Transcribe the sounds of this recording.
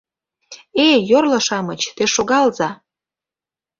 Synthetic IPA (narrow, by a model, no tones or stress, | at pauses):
ejorlə̆ʃɑmət͡ɕt̪eʃoɣɑlzɑ